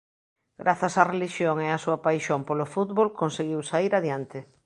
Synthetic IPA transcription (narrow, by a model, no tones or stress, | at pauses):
ɡɾʔaθasareliʃjoŋeasuɐpajʃompolofut̪βolkonseɣiwsaiɾaðjant̪ɪ